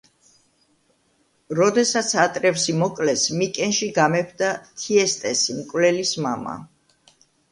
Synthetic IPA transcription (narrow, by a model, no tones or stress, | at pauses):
ɾɔd̪ɛsat̪sʰat̪ʼɾɛfsimɔkʼlɛsmikʼɛnʃiɡamɛpʰd̪at̪ʰiɛst̪ʼɛsimkʼvlɛlismama̰